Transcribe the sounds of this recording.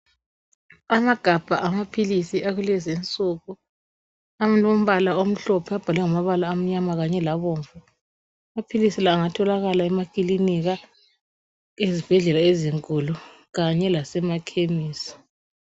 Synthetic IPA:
amaɡ̥ʱab̥ʱa̰ʔamapʰilisiʔaɣulɛzent͡sʼuːɣu | amnom̩βalaom̩ɬɔpʰɛab̥ʱalwɛŋamaβalaːm̩ɲamaɣaɲɛlaβoːɱvu | amapʰilisilaːŋatʰɔlaɣalaɛmakʼiliniɣa | ezib̥ʱɛɮɛlaeziŋkʼulu | ɣaɲɛlasɛmakʰemiːsḁ

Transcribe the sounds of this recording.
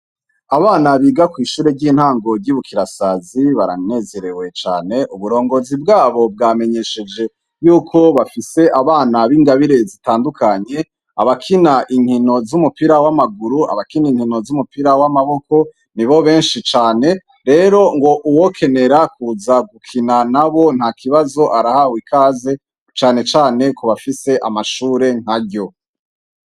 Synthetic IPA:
aβaːnaβiːɡakwiːʃuːɾeɟiːn̥haːŋɡo̞ɾɟiβukʰiɾasaziβaɾa̰ne̞ːze̞ɾe̞we̞t͡ʃa̰ːne̞ʔuβuɾo̞ːŋɡo̞zib̚ɡaːβo̞b̚ɡaːme̞ɲe̞ʃe̞d͡ʒe̞ | juːkʰo̞βafise̞ʔaβaːnaβiŋɡaβiɾe̞zitaːndukʰaɲe̞ | aβakʰinaʔiŋ̥hino̞zumupiɾawamaɡuɾua̰βakiniŋhino̞zumupiɾawamaβo̞kʰo̞ | niβo̞βe̞ːnʃit͡ʃaːne̞ | ɾe̞ɾo̞ŋɡo̞ʔuwo̞kʰe̞ne̞ɾakuːzaɡukʰinanaβo̞n̥hakʰiβazo̞ʔaɾahawikʰaːze̞ | t͡ʃaːne̞t͡ʃaːne̞kʰoβafise̞ʔamaʃuːɾe̞ŋ̥aɟo̞

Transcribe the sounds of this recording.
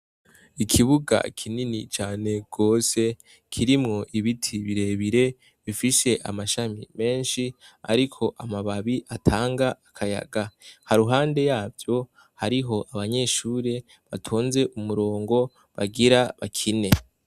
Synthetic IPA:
ikʰiβuɡa̰kʰininit͡ʃaːne̞ɡ̥o̞ːse̞ | kʰiɾimŋo̞ʔiβitʰiβiɾe̞βiɾe̞ | βifiʃe̞ʔa̰maʃamḭme̞ːnʃia̰ɾikʰo̞ʔamaβaβiʔatʰaːŋɡaːkʰaja̰ɡahaɾuɦaːnde̞jaːvjo̞ | haɾiɦo̞ʔaβaɲe̞ːʃuːɾe̞ | βatʰuːnze̞ʔumuɾo̞ːŋɡo̞ | βa̰ɡiɾaβakʰine̞

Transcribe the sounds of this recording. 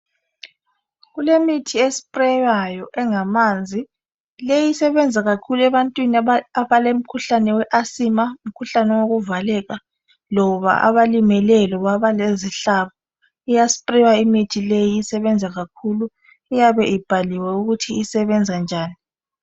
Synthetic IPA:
ɣulemitʰiesi̥pʼrɛwajɔʔɛŋamaːnd͡zʱi | lejisɛβɛnd͡zʱaɣakʰuluɛβantʼwiniaβalem̩kʰuɬanɛwɛʔasimaum̩kʰuɬanɛwoɣuvalɛːɣa | lɔβa̰ʔa̰βalimɛlɛlɔβaβaleziɬaβɔ | ijasi̥pʼriwaimitʰilejiisɛβɛnd͡zʱaɣakʰulu | ijaβɛʔib̥ʱaliwɛuɣutʰiisɛβɛnd͡zʱand͡ʒʱaːni

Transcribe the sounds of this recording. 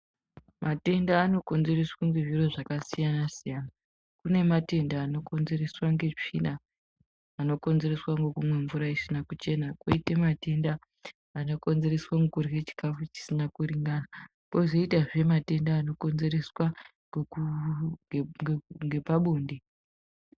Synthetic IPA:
mʔate̞ndaːno̞ko̞nze̞reswaŋɡeʐiro̞ʐakasijanasijana | kune̞mate̞ndaːno̞ko̞nze̞re̞swaŋɡe̞t͡ʂḭnaː | no̞ko̞nze̞re̞swaŋɡokumwe̞ɱvuɾaisinakut͡ʃe̞nakwoitemate̞ndaː | no̞ko̞nze̞re̞swaŋɡukuriɣet͡ʃi̥kafut͡ʃi̥sinakuɾiŋɡana | koʐo̞itaʐe̞mate̞ndaːno̞ko̞nze̞ɾe̞swaŋ | ŋɡe̞paɓoːndi

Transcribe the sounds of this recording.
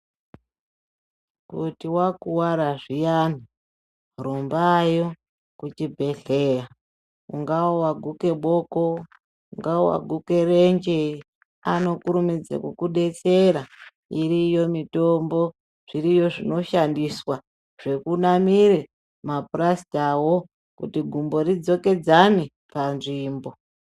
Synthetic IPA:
kutiwakuwaɾaʐijan̤i | rombajo | kut͡ʃibʱe̞ɬeja | uŋɡawowaɡʱuke̞ɓo̞ko̞ | uŋɡawowa̰ɡʱuke̞rend͡ʒe | ano̞kuɾumid͡za̰kukuɗe̞t͡se̞ɾa | irijo̞mito̞mbo̞ | ʐ̥iɾijo̞ʐino̞ʃandiswa | ʐ̥e̞kunamiɾe̞ | maprasi̥tawo̞ | kṵtiɡʱumbo̞ɾid͡zo̞ke̞d͡zane | panʐiːmbo̞

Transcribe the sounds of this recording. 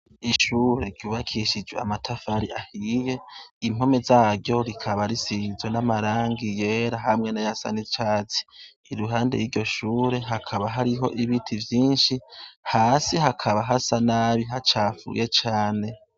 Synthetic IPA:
iʃuːɾe̞ɾɟuːβakʰiʃid͡ʒwea̰matʰafaɾiʔahije̞im̥ho̞me̞zaːɾɟo̞ɾikʰaβaɾisizwenamaɾaːŋɡije̞ɾaɦamŋe̞najasa̰nit͡ʃaːt͡si̥ː | ɾuɦaːnde̞̰jiɾɟo̞ʃuːɾe̞ɦakʰaβaɦaɾiɦo̞̰ʔiβitʰivjiːnʃihaːsiɦakʰaβaɦasanaβiɦat͡ʃaːfṵjʔet͡ʃaːne̞

